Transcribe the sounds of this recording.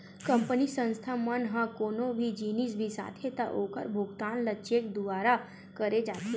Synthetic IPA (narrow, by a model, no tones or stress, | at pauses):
kə̃mpənisə̃nst̪ʰamənɦãkoːnõbʱid͡ʒiːnis̬bʱisa̰ːt̪ʰet̪aʔoːkə̰ɾbʱʊɡt̪aːnlət͡ʃekd̪ʊaːɾa | kəɾed͡ʒaːt̪ʰe